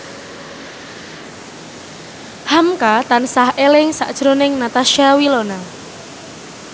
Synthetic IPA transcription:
hamkat̪ansahʔelɪŋsa̰ʔd̥ʒ̥ɾonɪŋnat̪aʃiawilona

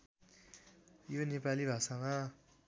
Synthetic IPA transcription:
jonepalibʱasãŋã

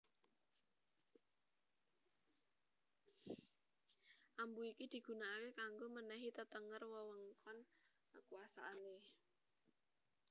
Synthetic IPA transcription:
ʔambuikid̪̥i̤ɡ̥ṳnakekaŋɡomənɛɦit̪ət̪əŋərwɔwɔŋkɔnkəkuwasa̰ʔane

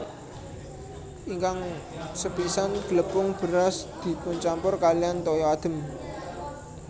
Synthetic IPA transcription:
ʔiŋkaŋsəpisanɡ̥ələpʊŋb̥ə̤ɾasd̪̥i̤puɲt͡ʃampʊrkalijant̪ɔjɔad̪̥ə̤m

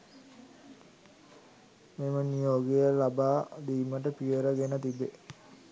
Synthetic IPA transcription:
mimənijoːɡejəlabaːd̪iːməʈəpijəɾəɡenət̪ibːe

